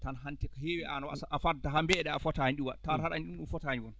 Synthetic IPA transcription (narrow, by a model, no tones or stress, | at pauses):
tanɦantɛkɔheːwɛa̰nawasaʔafadaɦambɛɗɛafɔtahɲɗiwantaɾhaɾaɲɗunɗunfɔtaɲiwɔn